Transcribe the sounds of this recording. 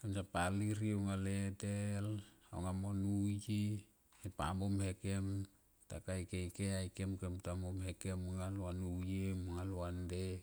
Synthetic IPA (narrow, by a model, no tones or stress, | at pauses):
kemsapaliɾioŋaletelo̰ŋamonuji | epa̰momhekem | takajkejkeajkemkemtamomɦekemuŋaluanujemoŋaluande